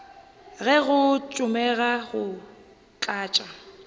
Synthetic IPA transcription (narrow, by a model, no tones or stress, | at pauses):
ɣɛɣʊt͡ʃʼʊmɛɣaɣʊ | t͡ɬʼaːt͡ʃʼa